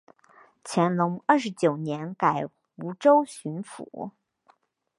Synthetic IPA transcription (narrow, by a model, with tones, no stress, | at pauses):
t͡ɕʰjɛ˧˥nlʊ˧˥ŋə˥˩ʂɻ̩˧˥t͡ɕjo˨˩ʊnjɛ˧˥nka˨˩ɪ | u˧˥ʈ͡ʂo˥ʊɕy˧˥nfṵ˨˩˦